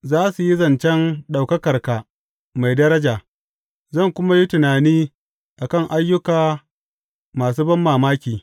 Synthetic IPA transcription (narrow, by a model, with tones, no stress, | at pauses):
zaː˦su˨ji˦zɐ˨nt͡ʃɛ˦nɗa˨wkɐ˦kɐ˨rka˨ | ma˨jdɐ˦ɾɐ˦d͡ʒaː˨ | zɐ˦˨ŋkʷʊ˦ma˦ji˦tʊ˨naː˨niː˦ | ʔa˨kɐ˦˨ŋʔa˦jːʊ˦kaː˨ | maː˨s̬uː˦bɐ˦mːaː˨maː˦kʲiː˨